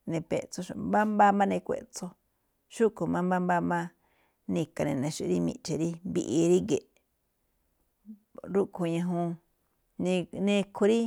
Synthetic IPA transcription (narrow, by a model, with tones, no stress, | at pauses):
nẽ˧pḛ˧˨ʔt͡so˧ʃmba˦mba˦mã˦nẽ˧kʷḛ˧˨ʔt͡so˧ | ʃu˦ko˨mã˦mbã˦mba˦mã˦ | nĩ˧ka˧nẽ˨nẽ˨˧ʃu˦˧ɾi˦mḭ̃˧ʔt͡ʃe˨ɾi˦mbi˧ʔi˧ɾi˦ɡe˨ʔ | ɾu˦ʔkʰo˧ɲã˧ɦũ˧ | nĩ˧nẽ˧kʰo˧ɾi˦